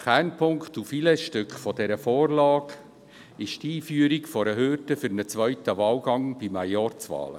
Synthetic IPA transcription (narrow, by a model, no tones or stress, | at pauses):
χɛnpʰʊŋktufilɛʃtʏkχfɔd̥ɛɾəfɔːrlɑːɡ | ɪʃtiːfyːəɾikfɔɾəɦøːɾdəfʏɾnət͡sʋœɥtəvɑːlɡɑŋb̥imajɔrt͡sʋɑ̰ːlə̰